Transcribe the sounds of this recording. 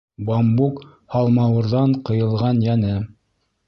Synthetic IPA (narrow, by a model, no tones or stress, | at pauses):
bɑmbuk | hɑlˠmɑwɤ̆ɾðɑɴqɤ̆jɤ̆lˠʁɑnjænɘ